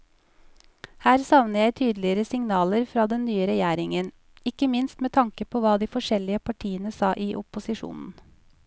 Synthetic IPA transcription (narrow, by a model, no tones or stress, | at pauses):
hæːɾsɑʋnəjæɪt̪ʰyːd̪lɪəɾəsɪŋnɑːləɾfɾɑːd̪ɛnnyːəɾɛjæːɾɪŋən | ɪkəmɪnst̪meːt̪ʰɑŋkəpʰoːʋɑːd̪iːfɔʂɛlɪəpʰɑʈʰiːənəsɑːʔiːʔʊpʊsɪʃṵːnn̩